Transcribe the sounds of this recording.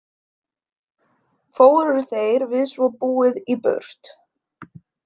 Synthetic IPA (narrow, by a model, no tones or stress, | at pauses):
foːwɾʏɾ̥θejɾvɪðsvɔpuːɪðipœ̰ɾ̥t̪